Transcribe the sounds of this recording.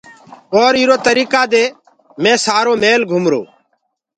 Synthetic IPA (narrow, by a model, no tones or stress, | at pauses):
ɔːɾiːɾoːt̪əɾiːkaːd̪eː | mɛ̃ːsaːɾoːmeːlɡʱumɾo̰ː